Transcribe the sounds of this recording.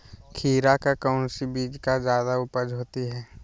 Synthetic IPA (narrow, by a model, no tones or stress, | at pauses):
kʰiːɾakakaʊnsibiːd͡ʒkad͡ʒjaːd̪aʊpəd͡ʒɦoːt̪iɦɛː